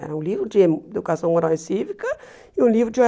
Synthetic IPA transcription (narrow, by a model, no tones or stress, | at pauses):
ɛ̰ɾɐũlivɾud͡ʒemud̪ukasɐ̃w̃mɐɾalsivikɐ | iũlivɾud͡ʒɔ